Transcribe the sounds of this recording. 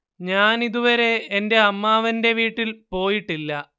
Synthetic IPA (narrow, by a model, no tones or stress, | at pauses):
ɲaːniðuʋɐɾe̞ːnde̞ɐmːaːʋɐnde̞ʋiːʈːilpo̞ːjiʈːilːɐ